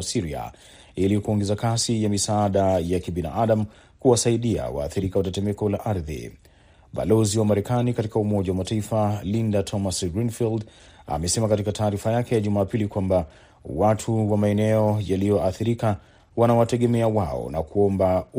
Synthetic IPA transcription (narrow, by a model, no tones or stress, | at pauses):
siɾia̰ | ilikuɔŋɡɛzakasijamisaaɗajakiɓina̰ʔaɗamu | kuwasaiɗia̰wa̰ːθiɾikawatɛtɛmɛkɔlaʔaɾðḭ | ɓa̰lɔziwamaɾɛkanikatikaumɔʄawamataifalindatʰɔmasɡɾinfild | a̰mɛsɛmakatikataːɾifajakɛjaʄumaːpilikwamba | watʰuwamaɛnɛɔjalijɔʔaθiɾika | wanawatɛɠɛmɛawaɔ̰nakuɔmba